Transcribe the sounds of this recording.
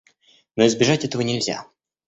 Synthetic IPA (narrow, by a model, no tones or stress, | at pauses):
noɪzbʲɪʐatʲɛt̪əvənʲɪlʲzʲa̰